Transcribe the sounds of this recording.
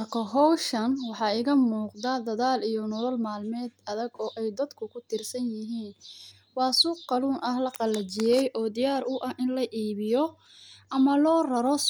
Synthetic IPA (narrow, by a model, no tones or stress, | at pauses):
mɐrkʰɐɦɔwʃɐnwɑħɑːɪɣɐmuːqd̪aːd̪ɐðaːlijɔnɔlɔlmaːlmɛːd̪ɐðɐɡɔːʔɛjd̪ɐd̪kʰʊkʰʊt̪ʰɪrsɐnjɪɦiːn | wɑːsuːqqɑluːnʔɐhlɐqɑlɐt͡ʃɪjɛjʔɔːd̪ɪjaːɾʊʔɐhʔɪnlɐʔiːβɪjɔ | ʔɐmɐlɔːrɐɾɔ